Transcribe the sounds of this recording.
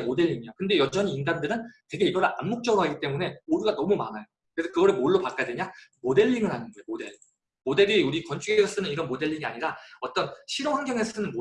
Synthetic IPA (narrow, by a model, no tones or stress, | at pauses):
mode̞ʎːiŋijokɯnde̞jʌd͡ʑʌɲiːnɡandɯɾɯntwe̞ɡe̞iɡʌɾaʔanmok̚t͡ɕ͈ʌɾoɦaɡit͈e̞mune̞oɾuɡanʌmuma̰najo | kɯɾe̞sʰʌkɯɡʌɾɯɭmoɭːopak͈adeɲamode̞ʎːiŋɯɭɦanɯnɡʌjomode̞ɭ | mode̞ɾiuɾikʌnt͡ɕ͈ʰuɡesʰʌs͈ɯnɯniɾʌnmode̞ʎːiŋia̰ɲiɾaʌt͈ʌnɕʰiɾohaŋɡjʌŋess͈ɯnɯnmo